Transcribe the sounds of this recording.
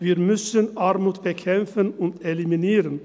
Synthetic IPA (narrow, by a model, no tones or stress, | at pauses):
viːɾmʏsənaɾmuːt̪b̥əkʰɛmfənʊnt̪ɛlɪminiːɾən